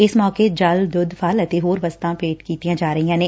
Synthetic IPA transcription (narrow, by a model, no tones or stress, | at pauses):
ɪsmɔːked͡ʒaːld̪ʊd̪ʱfʰaːlɐt̪eɦoːɾʋɐst̪ãpeːʈkiːt̪ijãd͡ʒaːɾəɦijãːnẽː